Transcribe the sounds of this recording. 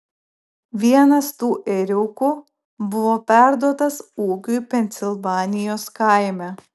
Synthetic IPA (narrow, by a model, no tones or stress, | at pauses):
ʋʲiɛnɐst̪uːʔɛɾʲuku | bʊʋɔpʲæɾd̪uɔt̪ɐsuːkʲujpʲɛnʲsʲɪlˠvɑːnʲɪjoːskaɪmʲæ